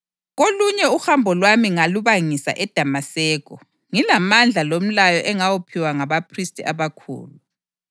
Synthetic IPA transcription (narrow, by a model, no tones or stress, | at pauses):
ɣoluɲɛuxambʱɔlwamiŋaluβaŋisa̰ʔɛd̥ʱamasɛːkɔ | ŋilamand͡ɮʱalom̩lajɔʔɛŋawupʰiwaŋaβapʰristʼiaβakʰṵːlu